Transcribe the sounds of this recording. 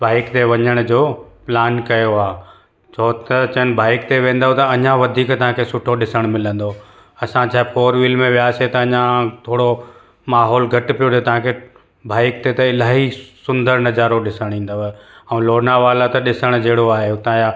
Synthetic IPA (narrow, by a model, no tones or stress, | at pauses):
baːɪkt̪eʋɐɲəɽ̃d͡ʑoːplaːnkɐjoaː | t͡ɕʰoːt̪ɐt͡ɕən̆bʱaːɪkt̪eʋẽːn̆d̪aɦot̪ɐɐɲãʋɐd̪ʱiːkt̪ɐɦãkʰesʊʈʰoɗɪsəɽ̃mɪlə̃nd̪o | ɐsãt͡ɕʰaːɦepoːɾʋiːlmẽʋjaːset̪ɐɐɲãt̪ʰoːɽo | maːɦɔːlɡʱɐʈpijot̪et̪ɐɦãkʰe | bʱaːɪk̚t̪et̪ɐɪlaːɦisʊ̃nd̪əɾnɐd͡ʑaːɾoɗɪsəɽ̃ĩːn̆d̪oɦɛ̃loːnaʋaːlat̪ɐɗɪsəɽ̃d͡ʑeɦːɽoaːɦeʊt̪ãja